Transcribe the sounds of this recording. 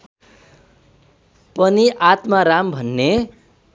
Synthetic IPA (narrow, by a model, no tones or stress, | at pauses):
pʌniʔat̪maɾambʱʌnːe